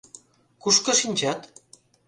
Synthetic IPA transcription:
kuʃkɤ̆ʃinʲt͡ɕɑt̪

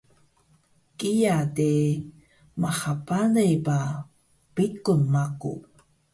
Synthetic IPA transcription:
kijade | maχapanəjba | pikunmakṵ

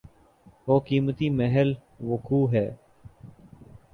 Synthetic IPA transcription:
oːkiːmət̪iːmeɦəl | ʋəkʰuːɦɛː

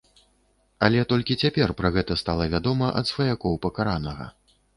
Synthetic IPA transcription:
ɐlʲɛt̪ɔlʲkʲit͡sʲapʲɛrpɾɐɣɛt̪ɐst̪alˠɐvʲad̪ɔmɐʔɐ̰t̪svɐjakɔwpɐkaɾanɐɣɐ̰

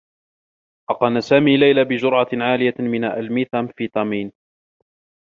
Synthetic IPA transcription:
ʔɑqɑnasaːmiːlajlaːbɪd͡ʒʊɾʕaʕaːlɪjamɪnaʔalmiːθamfiːt̪ˤɑmiːn

